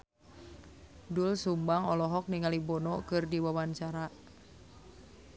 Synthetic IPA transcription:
dulsumbaŋɔlɔɦɔk̚niŋalibɔnɔkɨrdiwawant͡ʃaɾa

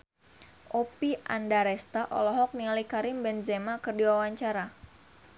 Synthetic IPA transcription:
ʔopiʔa̰ndaɾɛst̪aʔɔ̰lɔɦɔk̚nialikaɾɪmbɛnzɛmakɨrdiwawaɲt͡ʃaɾa

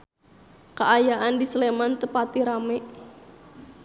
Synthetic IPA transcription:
kəajaʔandisəlemant̪əpat̪iɾamɛʔ

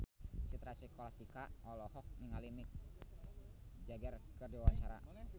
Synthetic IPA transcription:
t͡ʃit̪ɾasikɔlast̪ikaɔlɔhɔk̚niŋalimɪk̚ | d͡ʒaɡɛrkərdiwawaɲt͡ʃaɾa̰

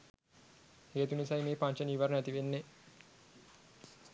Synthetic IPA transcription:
heːt̪unisajmeːpaɲt͡ʃəniʋaɾnæt̪iʋenːe

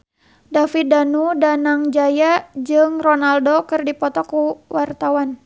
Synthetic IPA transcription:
dafit̪̚danudanaŋd͡ʒajad͡ʒɨŋrɔnaldokɨrdipɔt̪ɔkuwart̪awan

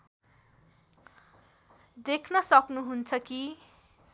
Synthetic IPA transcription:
d̪ekʰnʌsʌknuɦunt͡sʰʌki

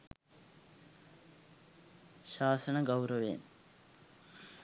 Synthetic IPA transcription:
ɕaːsɐɳɐɡɐwɾɐʋḛːm

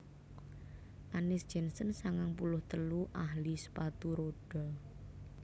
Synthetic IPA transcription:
ʔanɪsd̥ʒ̥ɛ̤nsənsaŋaŋpulʊht̪əluʔaɦlisə̥pat̪uɾoɖ̥ɔ

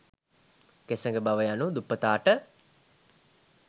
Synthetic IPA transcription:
kesəŋɡəbaʋəjanud̪upːət̪aːʈə

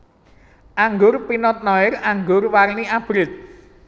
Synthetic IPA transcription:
ʔaŋɡʊrpinɔt̪̚nɔɪraŋɡʊrwarniʔab̥ɾɪt̪̚

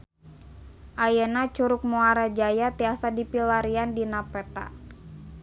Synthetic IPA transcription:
ʔajənat͡ʃuɾʊk̚muaɾad͡ʒajat̪iasadipilaɾiandinapɛt̪a̰

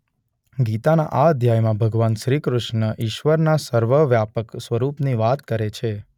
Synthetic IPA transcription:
ɡit̪ana̰ʔaəd̪ʱjajmãbʱəɡʋanʃɾikɾʊʃnəʔiʃʋəɾnasəɾʋəʋjapəksʋəɾupniʋat̪kəɾet͡ʃʰe

